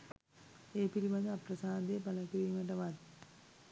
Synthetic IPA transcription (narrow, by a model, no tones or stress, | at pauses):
eːpiɾimad̪aprɐsaːd̪eːpaləkiɾiːməʈ̬əʋat̪